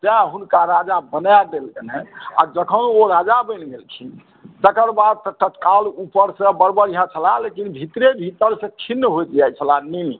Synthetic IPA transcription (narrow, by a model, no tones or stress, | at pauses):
d͡ʒɛɦunkaɾad͡ʒabənjad̪elkənea̰d͡ʒəkʰənoɾad͡ʒabəɪnɡelt͡ʃʰi | t̪əkəɾbad̪̚t̪ət̪ət̪kalupəɾsə̃bəɾbəɾiɦãt͡ʃʰəlalekinbʱit̪ɾebʱit̪əɾsə̃kʰinːəɦojd͡ʒiat͡ʃʰəlanin